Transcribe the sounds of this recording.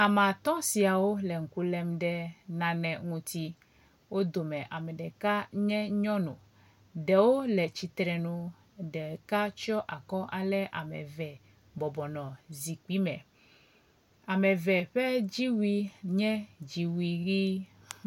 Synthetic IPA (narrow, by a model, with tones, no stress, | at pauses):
a˨mã˨t̪ɔ̃˦si˨a˨wo˦lɛ˨ŋ̩˨ku˦lɛ˦mɖɛ˦nã˨nɛ̃˨ŋũ˦t̪i˦ | wo˦d̪o˨mɛ̃˨ʔa˨mɛ˨ɖɛ˨ka˦ɲɛ̃˦ɲɔ̃˦nṵ̃˨ | ɖɛ˨wo˦lɛ˨t͡ɕi˨t̪ɾɛ˨nũ˦ | ɖɛ˨ka˦t͡ʃɔ˦ʔa˨kɔ˦ʔa˨lɛ˦ʔa̰˨mɛ̰˨vɛ˨ | bɔ˨bɔ˨nɔ̃˨zi˨k͡pi˦mɛ̰̃˨ | a˨mɛ̃˨vɛ˨ɸɛ˦d͡ʑi˦wi˦ɲɛ̃˦d͡ʑi˨wi˦ɡi˦